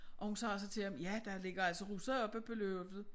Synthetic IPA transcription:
ʔɒ̽hunsɑ̰̈ːsɑ̈ɪt͡sʰe̝hɑmjæd̥ɑ̈le̝ɡ̥ɐælsəʁusɐɒ̽b̥æb̥ʰeløb̥ð̩ˠ

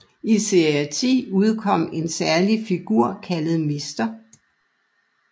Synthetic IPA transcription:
ise̝ɐæt͡sʰḭːuð̞ˠkʰɒ̽m̰e̝nsæɐlifiɡ̥uɐ̰kʰælð̞̩ˠme̝sd̥ɐ

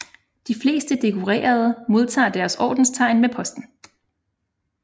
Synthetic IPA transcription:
d̥ifle̝̰ːsd̥əd̥e̝kʰo̝ʁḛːɐð̞ˠəmo̝ð̞ˠt͡sʰɑ̰̈ːd̥æɐsɒ̰ːd̥n̩st͡sʰɑ̈ɪ̰nmepʰɒ̽sd̥n̩

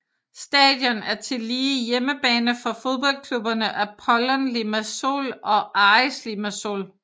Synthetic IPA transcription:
sd̥ɛ̰ːd̥jɒ̽næɐt͡sʰe̝liːijeməb̥ɛ̰ːnəfɒ̽fo̝ðˠb̥ɒ̽l̰kʰlub̥ɐnəʔæpʰɒlɐnlimæso̝̰lɒ̽ʔɑslimæso̝̰l

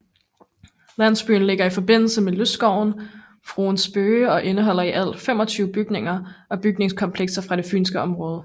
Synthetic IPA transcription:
læn̰sb̥y̰ːn̩le̝ɡ̥ɐifɒ̽b̥e̝n̰l̩səmeløsɡ̥ɒʊ̰n | fʁṵːnsb̥øːɒ̽ʔe̝nəɦɒ̽l̰ɐiʔæl̰̥fem̰ɒ̽t͡sʰyːʊəb̥yɡ̥ne̝ŋɐʔɒ̽b̥yɡ̥ne̝ŋskʰɒ̽mpʰleɡ̥sɐfʁɑ̈ɾ̥e̝fy̰ːnsɡ̥əɒ̽mʁɔ̽ːðˠə

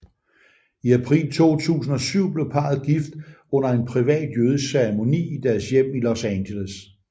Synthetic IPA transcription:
iæpʰʁḭːlt͡sʰo̝̰ːt͡sʰṵːs̬n̩ɒ̽syʊ̰b̥le̝ʊpʰɑ̈ð̩ˠɡ̥ifd̥ɔ̽n̰ɐe̝npʰʁiʋɛ̰ːd̥jøːð̞ˠəseʁemo̝nḭːid̥æɐsjem̰ilosænɕeles

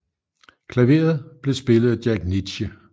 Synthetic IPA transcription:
kʰlæʋe̝̰ːɐð̞ˠb̥le̝sb̥e̝lð̞̩ˠæd̥jæɡ̥nid̥ɕə

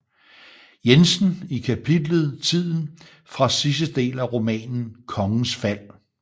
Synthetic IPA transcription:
jensn̩ikʰæpʰid̥ləð̩ˠt͡sʰið̰ˠn̩ | fʁɑ̈sis̬əd̥e̝̰ːlæʁo̝mɛ̰ːnn̩kʰɒ̽ŋn̩sfæl̰

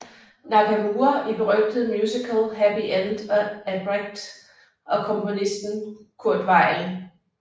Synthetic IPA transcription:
nɑ̈kʰæmuːɐʔib̥eʁœɡ̥d̥əð̩ˠmjuːsikʰəlˠɦæpiʔænd̥ɒ̽æb̥ʁeɡ̥̚d̥ | ʔɒ̽kʰɔ̽mpo̝nisd̥n̩kʰuɐ̰d̥ʋɑ̈ɪ̰l

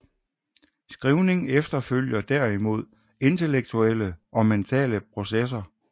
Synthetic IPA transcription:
sɡ̥ʁiʊne̝ŋefd̥ɐføl̰jɐd̥æɐ̰imo̝ð̰ˠ | e̝nt͡sʰe̝leɡ̥̚t͡sʰueləʔɒ̽ment͡sʰɛ̰ːləpʰʁo̝ses̬ɐ

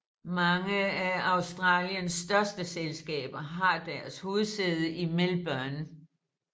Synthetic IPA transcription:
mɑ̈ŋəæɑ̈ʊsd̥ʁɑ̰̈ːljənsːd̥ɶɐsd̥əselsɡ̥ɛ̰ːb̥ɐɦɑ̈d̥æɐshuːð̩ˠseðˠəʔimelb̥œɐn

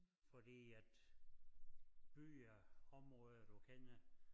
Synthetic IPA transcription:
fɒd̥ḭːæd̥ | b̥y̰ːɐɒ̽mʁɔːðˠɐd̥ukʰenə

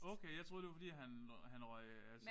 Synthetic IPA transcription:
ɔʊkʰejɑ̈ɪt͡sʰʁo̝ðˠd̥eɑ̈fɒ̽dḭːɦænɦænʁɔɪ | æls

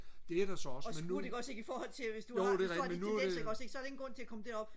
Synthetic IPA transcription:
d̥e̝æɐɾ̥asɒɒsme̥uɐd̥e̝ɡ̥ɒ̥se̝ɡ̥ifɒːhɒ̽l̰t͡sʰe̝lʋe̝sd̥uodemenːueɡ̥ɒ̥̽se̝ɡ̥sɒ̽ɐd̥eŋn̩ɡʁɔ̽n̰t͡sʰe̝ækɒ̽məd̥eɐ̰ɒ̽b̥

